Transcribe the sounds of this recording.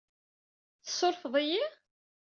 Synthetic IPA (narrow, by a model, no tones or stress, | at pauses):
θə̥sˤːoɾfðˤiji